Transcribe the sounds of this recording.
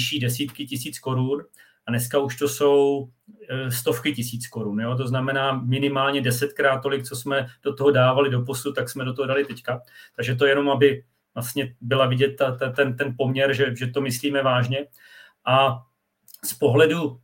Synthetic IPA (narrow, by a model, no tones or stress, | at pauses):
ʃiːdɛsiːt̪kɪcɪsiːt͡sko̞ɾun | anɛskauʃt̪o̞so̞w | st̪o̞fkɪcɪsiːt͡sko̞ɾunjo̞t̪̬o̞znamɛnaːmɪnɪmaːlɲɛdɛsɛt̪kɾaːt̪̚ːo̞lɪkt͡so̞smɛd̥ot̪oɦo̞daːvalɪdo̞posut̪t̪aksmɛdo̞t̪oɦodalɪt̪ɛckat̪aɡʒɛt̪o̞jɛno̞mabɪ | vlast̪ɲɛbɪlavɪɟɛt̪ːat̪at̪ɛnt̪ɛnpo̞mɲɛɾʒɛʒɛt̪o̞mɪsliːmɛvaːʒɲɛ | ʔa | spo̞ɦlɛdu